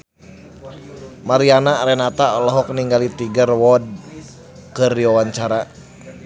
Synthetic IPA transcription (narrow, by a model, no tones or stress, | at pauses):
maɾianaɾɛnat̪alɔɦɔk̚niŋɡalit̪iɡərwɔd̚ | kɨrdiwawaɲt͡ʃaɾa